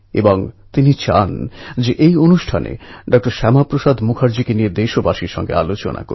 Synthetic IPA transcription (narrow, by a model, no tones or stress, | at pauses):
ḛboŋt̪init͡ɕa̰nd͡ʑeʔejonuʃʈʰanḛɖɔk̚ʈoɾʃɛmapɾoʃad̪ʱmukʰaɾd͡ʑikenijed̪eʃobaʃiɾʃɔ̰ŋɡḛalot͡ɕo̰nʔa̰ko̰ɾ